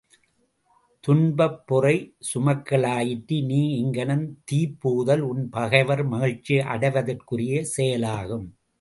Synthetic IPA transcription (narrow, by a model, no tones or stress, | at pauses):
t̪ʊɳbɐpːʊrɐɪsʊmɐkːɐɭaːjɪʈːiniːɪŋɡɐnɐnt̪iːpːuːðɐlʊnpɐɣɐɪʋɐɾmɐɣɪɻt͡ʃːiʔɐ̰ɽɐɪʋɐðɐrkɯrɪjesɛjɐlaːɣɯm